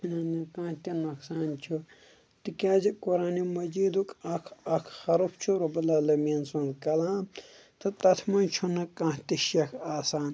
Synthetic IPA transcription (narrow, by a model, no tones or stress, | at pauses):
inɐnɐkãːt̪ʲinɐksaːnt͡ʃʰu | t̪ikʲaːd͡ʒikoɾaːnimɐd͡ʒiːd̪ukɐkʰɐkʰhɐɾupʰt͡ʃʰuɾubɐlɐlɐminsunkɐlaːm | t̪ʰɨt̪ɐt̪ʰmɐnt͡ʃʰunɐkãːt̪iʃjɐkʰaːsaːn